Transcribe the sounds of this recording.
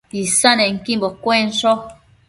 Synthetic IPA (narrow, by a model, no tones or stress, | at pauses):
isanɛŋ̩kimbokwenʃo